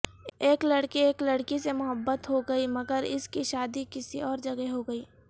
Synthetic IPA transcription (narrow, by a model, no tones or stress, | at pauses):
eːklɐɽkieːklɐɽkisemʊɦəbːət̪ɦoɡɐimɐɡəɾɪ̰skiʃaːd̪ikɪsiɔːɾd͡ʒɐɡeɦoɡɐiː